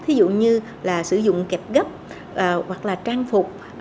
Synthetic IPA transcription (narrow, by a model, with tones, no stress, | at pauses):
t̪ʰi˨˦zṵ˧˨ɲɨ˧ | laː˨˩sɨ˧˩zʊ̰˧˨ŋ͡mkɛ˨˩p̚ɣə˦˥p̚ | ʔːɣwa˨˩k̚laː˨˩t͡ɕaː˧ŋfʊ˨˩k͡p̚